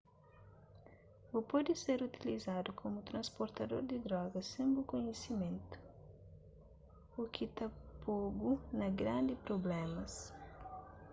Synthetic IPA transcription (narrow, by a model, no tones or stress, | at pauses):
upɔd̪ɪseɾut̪ilizad̪ukʰomʊt̪ɾɐ̃spoɾt̪ɐd̪o̰ɾd̪ɪd̪ɾɔɡɐsẽmbukoɲesimẽnt̪u̥ | ukʰit̪apobunɐɡɾãnd̪ɪpɾoblɛ̃mɐs